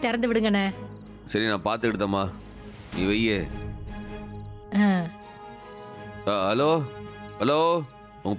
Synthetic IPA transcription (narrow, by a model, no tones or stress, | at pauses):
t̪ɛɾɐnd̪ɯʋɪɽɯŋɡɐnɐ | sɐɾinãːpaːɾt̪ɯɪɽɯt̪ːɐ̃ːmaː | niːʋɐjeː | ãː | aɦɐloːhɐloː | ʊŋɡɐ